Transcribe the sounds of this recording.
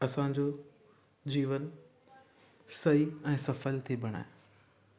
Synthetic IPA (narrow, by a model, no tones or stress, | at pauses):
ɐsãːɲd͡ʑo | d͡ʑiːʋən | sɐiɛ̃ːsɐfəlt̪ʰibʱɐɽ̃a̰ːɦe